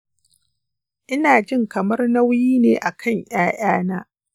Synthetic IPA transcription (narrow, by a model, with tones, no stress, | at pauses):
ʔɪ˦naː˨d͡ʒɪ˦˨ŋkɐ˨mɐ˦rnɐ˦wjiː˦neː˨ʔa˨kʰɐ˦˨ŋj̰aː˦j̰aː˦naː˦